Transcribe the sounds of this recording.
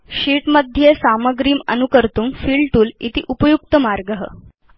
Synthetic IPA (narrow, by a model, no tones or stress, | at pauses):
ɕiːʈməd̪ʱjesaməɡɾiːmənukəɾt̪uːmfiːɭʈuːlḭt̪ḭːʔupəjuk̚t̪əmaɾɡəɦə̰